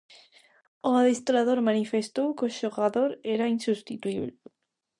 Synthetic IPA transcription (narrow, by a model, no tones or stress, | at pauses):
oaðist̪oɾaðoɾmanifest̪owkeʃoɣaðo̞ɾeɾainsust̪it̪uiβle